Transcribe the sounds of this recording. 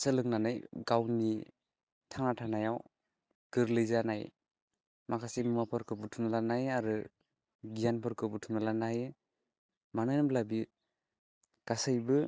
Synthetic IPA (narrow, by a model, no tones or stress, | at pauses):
sɯlɯŋ̚nanajɡawni | tʰaŋnatʰanajaw | ɡ̥ɯɾlɯjzanaj | makʰasimɯmapʰɯɾkʰɯbɯtʰunalanajaɾɯ | ɡijanpʰɯɾkʰɯbɯtʰunalanaj | manɯjnamlabi | ɡ̥asajbɯ